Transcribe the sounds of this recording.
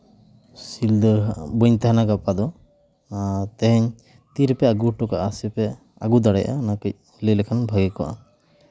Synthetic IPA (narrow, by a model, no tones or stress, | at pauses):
sild̪əbəɲt̪ɛɦanaɡapad̪ɔ | t̪ɛɦɛɲ | t̪iɾpɛaɡuʈɔkaʔasipɛ | a̰ɡud̪aɽɛjʔa̰nakəc̚ | lilɛkʰanbʱaɡɛkɔʔa̰